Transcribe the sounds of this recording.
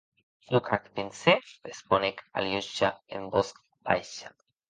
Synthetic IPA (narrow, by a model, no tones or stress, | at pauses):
lukʰakpinseesponeka̰ljuʃaḛmbosk | bajʃḁ